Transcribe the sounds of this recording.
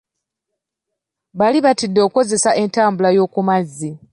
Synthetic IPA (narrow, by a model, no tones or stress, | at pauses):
βaliβatidːo̞ːko̞ze̞saʔe̞ntaːmbulajo̞ːkumazːi